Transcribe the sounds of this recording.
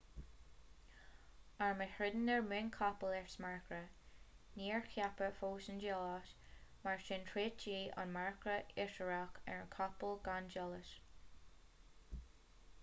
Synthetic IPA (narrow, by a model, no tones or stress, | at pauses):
aɹməhɹɪd̪ənɛɹmɪnkʰɔpəlɛɹsmaɹkɾə | niːɹxʰjapəfoːʃənd͡ʒɔːʃ | maɹʃɪntʰɹeːt̚t͡ʃiːʔa̰nmaɹkɾəɪʃəɹakɛ̰ɹənkʰɔpəlɡand͡ʒɔləʃ